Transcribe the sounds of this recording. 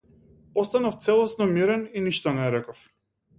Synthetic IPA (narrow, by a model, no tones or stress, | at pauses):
ɔst̪anaft̪sɛlˠɔsnɔmiɾɛniniʃt̪ɔnɛɾɛkɔf